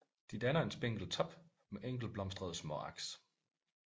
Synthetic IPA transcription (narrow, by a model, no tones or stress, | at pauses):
d̥id̥ænɐe̝nsb̥eŋ̰ɡ̥l̩t͡sʰɒ̽b̥ | meʔeŋ̰ɡ̥l̩b̥lɒ̽msd̥ʁɐð̞ˠsmɒ̰ɑ̈ɡ̥s